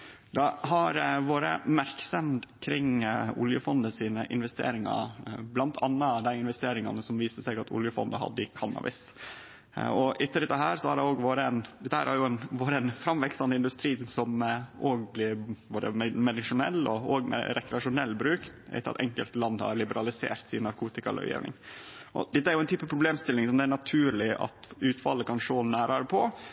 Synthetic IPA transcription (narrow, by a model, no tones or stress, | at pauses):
d̪ɑɦɑɾʋoːɾə̰mæɾksɛmd̪kʰɾɪŋʊ̰ljəfɔnd̪əsiːnəʔɪnʋɛst̪ḛːɾɪŋɑ̰blɑnt̪ʰɑnːəd̪æɪɪnʋɛst̪eːɾɪŋɑnəsɔmʋiːsəsæɪɡɑt̪ʰʊ̰ljəfɔ̰nd̪əhɑ̰d̪ːəɪkʰɑnɑ̰ʋɪ̰s | ɔʔɪt̪ːəɾɪt̪ːɑɦæːɾsɔhɑɖɛoːɡʋoːɾəɛnd̪ɛt̪əhæːɾæɾjʊɛnʋoːɾəɛnfɾɑmʋɛksɑnəɪnd̪ʉst̪ɾiːnsɔmʔoːɡblɪɾboːd̪ə̰mɛmɛd̪ɪʂʊnɛlːɔoːɡmɛ̰ɾɛkɾɛɑʂʊnɛlːbɾʉːkæ̰ɪt̪əɾɑ̰t̪ɛ̰ŋkəlt̪lɑnd̪hɑ̰ɾlɪbəɾɑlɪsḛːɾt̪sɪnːɑɾkʰuːt̪ɪkɑɾlœ̰jḛːʋnɪ̰ŋʔɔ̰d̪ɛt̪ːəæɾjʊɛnyːpəpʰɾʊbleːmst̪ɪlːɪŋsɔmd̪ɛæɾɳɑt̪ʰʉːɾɭɪʔɑ̰t̪ʉːt̪fɑlːəkɑnʂoːnæːɾɑɾəpʰɔ